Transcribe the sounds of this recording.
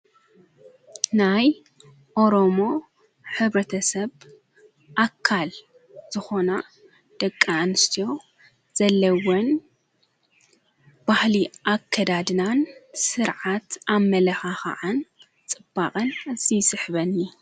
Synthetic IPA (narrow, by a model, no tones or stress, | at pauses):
naj | ʔo̞ɾomo̞ | ħɨβɾɐt̪ʰɐsɐβ | ʔakʰːal | z̥ɨxo̞na | d̪̥ɐkʼːaːnɨst̪ʰijo̞ | z̥ɐlːɐwon | b̥ahliʔakʰːɐd̪ad̪nansɨɾʕat̪ʔamːɐlɐxaxa̰ʕan | t͡sʼɨb̥ːaqʼɐnzisɨħβɐni